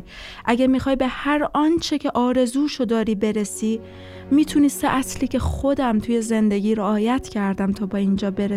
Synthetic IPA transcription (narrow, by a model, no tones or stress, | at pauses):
ʔæɟæmixɒːjbe̞hæɾʔɒːnt͡ʃʰecʰe̞ʔɒːɾe̞zuːʃo̞d̪ɒːɾiːbe̞ɾe̞siː | miːt̪ʰunist̪eʔæsliːcʰexod̪æmt̪ʰuje̞ze̞nd̪e̞ɟʲiːɾeɒːjæt̪ʰcʰæɾd̪æmt̪ʰɒːbɒːind͡ʒɒːbe̞ɾe